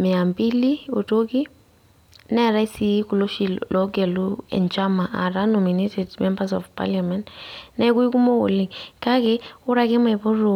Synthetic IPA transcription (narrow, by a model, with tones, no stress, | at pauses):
mɛa˨mpi˦li˦o̰˨to˦ki˦ | na˦˨ɾa˦i˦si˦ku˨lo˦ʃi˨lɔɡɛ˨lɔɛ̰nt͡ʃa˦ma˨ʔa̰ɾanɔminetʰɛdmɛmbasɔ̰vpʰa̰liamɛ̃ntna˦ku˦i˦ku˦mo˦wo̰˨lika˦kɛ˦ʊ˦ɾa˨kɛ˦mɛ˨pɔ˦ro